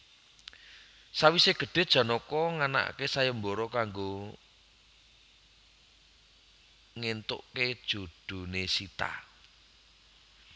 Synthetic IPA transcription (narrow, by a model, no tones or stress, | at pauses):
sawiseɡ̥ə̤ɖ̥e̤d̥ʒ̥ä̤nɔkɔŋana̰ʔkesajəmbɔɾɔkaŋɡo | ŋent̪o̰ʔked̥ʒ̥o̤d̥o̤nesit̪a̰